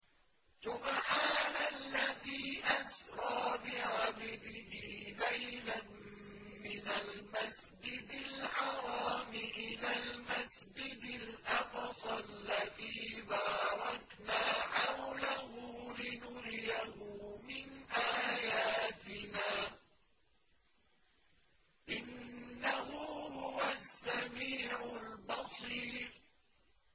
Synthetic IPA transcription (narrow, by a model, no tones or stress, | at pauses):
sʊmaʕaːnaalːaðiːʔasɾˤɑːbɪʕababɪhiːlajlan | mɪnalmas | d͡ʒɪd̪alħɑɾˤɑːmɪʔɪlaːlmasd͡ʒɪd̪ɪlʔɑfsˤɑalːaðiːbaːɾˤɑknaːħawlaɦuːlɪnʊɾjahʊːmɪnʔaːjaːt̪ɪnaː | ʔɪnːahuːhʊwasːamiːʕʊlbɑsˤiːɾ